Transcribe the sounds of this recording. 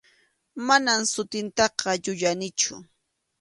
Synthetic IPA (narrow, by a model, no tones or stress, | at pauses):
manamsʊt̪ɪnt̪ɑqɑʎʊʎanɪt͡ʃʊ̰